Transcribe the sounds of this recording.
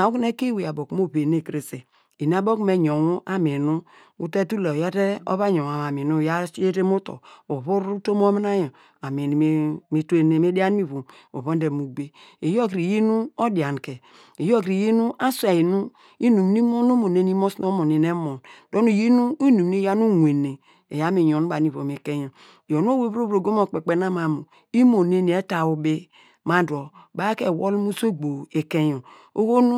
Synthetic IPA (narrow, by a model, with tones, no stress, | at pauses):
a˨u˦kne˦ke˦we˨a˨bo˨kmo˦βe˨ne˨kɾe˨se˨ | i˨n˦a˦bo˦kme˨ɲo˨wo˦ʔa˦me˨nu˦ | u˦te˦tu˦le˨o˨ja˦te˦o̰˦βa˦ɲo˨a˨a˨mi˨nu˦˨ja˦e˦ɾe˦mo˦to̰˨o˨βu˦ɾu˦to˦m˦o˦m˦na˦jo˨ | a˨mi˨n˨˦mi˨˦te˦ne˨me˦da˦n˦mi˦βu˨m | o̰˨βo˦n˦de˨mu˨ɡ͡be˦e˨jo˦˨kɾi˨ji˦nu˦o˦da˨n˨ke˨ | e˨jo˦˨kɾi˨ji˦nu˦ʔa˦sʷa˨ji˨nu˦ | i˦nu˨mni˦mo˦no˦mo˨ne˦n˦i˦mo˦sn˦o˦mo˨ne˨ne˦mo˨ndo˦nu˦˨ji˦nu˦i˦nu˨m˨ni˦ja˦nu˦ŋʷ˨e˨ne˨ | e˨ja˦mi˨jo˨nu˦ba˨ni˨vo˨me˨ke˦jo˨ | o˨n˦o˦we˦bɾo˦bɾo˨ɡo˦mo˨k͡pe˨k͡pe˨na˦ma˨mu˨ | i˦mo˨ne˦ni˨e˦ta˨o˨be˦ | ma˨do˨ba˦ke˨wo˦lmu˦so˦ɡ͡bo˨e˨ke˦jo˨ | o˦ɣo˦nu˦